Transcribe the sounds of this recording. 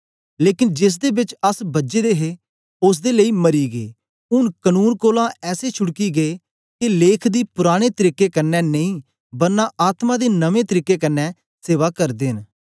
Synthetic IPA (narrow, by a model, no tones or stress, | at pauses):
leːkɪnd͡ʒɪs̬d̪eːbɪt͡ʃəsbəd͡ʒeːd̪eːɦeː | ʊs̬d̪eːləiːməɾiːɡeː | ʊnkənuːnkoːlãːɛːseːt͡ʃʰʊɽkiːɡeː | kɪleːkʰd̪iːpʊɾaːɽ̃eːt̪əɾiːkeːkənːɛːnəĩː | bəɾnãːʔaːt̪mãːd̪eːnəʋẽːt̪əɾiːkeːkənːɛː | seːʋaːkəɾd̪eːɦn